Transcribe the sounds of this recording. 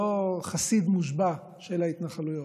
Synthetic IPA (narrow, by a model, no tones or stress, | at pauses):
oχasid̪muʃba | ʃelait̪naχalujo